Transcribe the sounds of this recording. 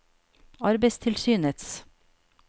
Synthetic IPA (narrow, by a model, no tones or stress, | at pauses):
ɑɾbəɪst̪ʰɪlsyːnət̪s